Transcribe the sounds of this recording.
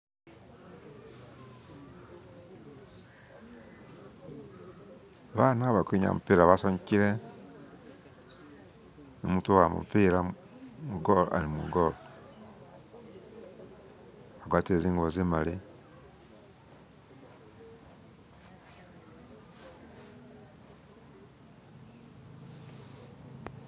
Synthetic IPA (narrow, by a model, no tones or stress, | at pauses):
βanaβakwiɲa̰mṵpiːɾaβasoɲiciɾe | no̰mutuwamṵpiɾa | muɡoa̰ɾimṵɡolo | aɡwatieziːŋɡoβozimali